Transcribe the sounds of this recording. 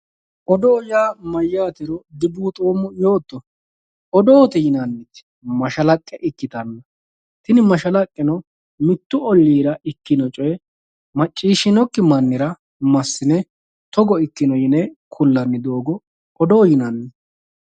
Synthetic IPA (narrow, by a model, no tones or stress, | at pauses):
ʔɔd̪ɔːjaːmɐjːaːt̪ɪɾɔd̪ɪbuːt̪ʼoːmʊjoːt̪ːɔ | ɔd̪oːt̪ɛjɪnɐnːɪt̪ | mɐʃɐlɐkʼːɛʔɪkːɪt̪ɐnːɐ | t̪ɪnɪmɐʃɐlɐkʼːɪnɔ | mɪt̪ːʊɔlːiːɾɐʔɪkːɪnɔt͡ʃʼɔjɛ | mɐt͡ʃʼːiːʃɪnɔkːɪmɐnːɪɾɐ | mɐsːɪnɛ | t̪ɔɡɔɪkːɪnɔjɪnɛkʰʊlːɐnːɪd̪o̞ːɡɔ | ɔd̪ɔːjɪnɐnːɪ